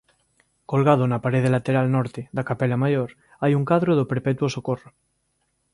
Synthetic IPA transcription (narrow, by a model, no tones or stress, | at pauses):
kolɣað̞onapaɾeðelat̪eɾalnɔɾt̪eðakapelamajoɾ | ajuŋkaðɾoðopeɾpet̪uosokoro